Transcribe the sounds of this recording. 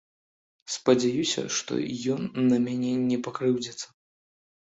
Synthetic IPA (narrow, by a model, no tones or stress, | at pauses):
spɐd͡zʲajusʲɐ̰ʂt̪ɔ̰jɔnːɐmʲanʲɛnʲɛpakɾɨwd͡zʲɛt̪sɐ̥